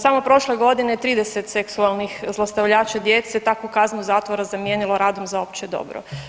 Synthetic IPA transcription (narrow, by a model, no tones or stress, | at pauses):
samopɾo̞ʃleɡo̞d̪inet̪ɾiːd̪e̞set̪seksualˠnixzlˠast̪aʋʎaːt͡ɕad̪jet̪set̪akukaznuzaːt̪ʋoɾazamjeːniloɾaːd̪omzaopt͡ɕed̪o̞̰bɾo̰